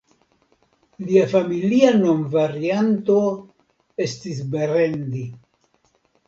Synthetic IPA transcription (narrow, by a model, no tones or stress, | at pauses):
liafamiliano̞nvaɾiant̪o̞ | e̞stis̬beɾe̞ndi